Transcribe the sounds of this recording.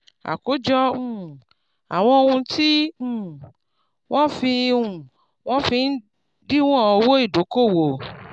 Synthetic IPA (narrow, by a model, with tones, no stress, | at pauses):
a̰˨ko˨˦d͡ʒɔ˦ũ˦˨ | a̰˨w̃ɔ̃˧o˧ŋũ˧tʰi˦ũ˦ | w̃ʔɔ̃˦fi˧ũ˦˨ | w̃ɔ̃˦fi˧n̩˦ | ɖi˦w̃ɔ̃˦˨ɔ˨˧wo˦i˦˨do˨˦ko˦˨wo˨